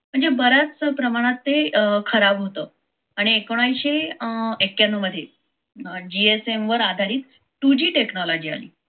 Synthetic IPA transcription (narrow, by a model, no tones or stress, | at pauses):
m̤əɳd͡zebəɾat͡spɾəmaɽ̃at̪ːekʰəɾabɦot̪əː | aɽ̃iekoɽ̃ajɕeekːjanuməd̪ʱːje | d͡ʑiesemʋəɾad̪ʱaɾiːt̪ | ʈud͡ʑiːʈeknɔlɔd͡ʑiːa̰lḭː